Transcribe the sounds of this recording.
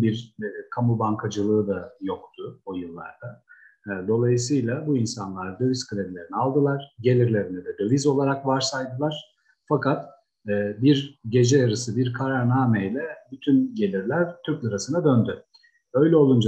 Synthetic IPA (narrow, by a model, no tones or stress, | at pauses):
biɾkʰamubaŋkʰad͡ʒɯlˠɯɯd̪ajo̞kt̪ʰʊojɯlˠːa̰ɾd̪aː | d̪o̞lˠajɯsɯjlʲˠabuinsanlˠaɾd̪ø̞viz̥kʰɯlʲed̪lʲe̞ɾinialˠd̪ɯlˠaɾ̥ɟe̞lʲiɾlʲe̞ɾinid̪ɛd̪ø̞vizo̞lˠaɾakvaɾsajd̪ɯlˠaɾ̥ | fakʰat̪ | ɛːbiɾɟe̞d͡ʒɛjaɾɯsɯbiɾkʰaɾaɾnaːmejlʲɛbyt̪ʰynɟe̞lʲiɾlʲæɾt̪ʰyɾclʲˠɯɾasɯnad̪ønd̪y | ø̞jlʲɛo̞lˠund͡ʒa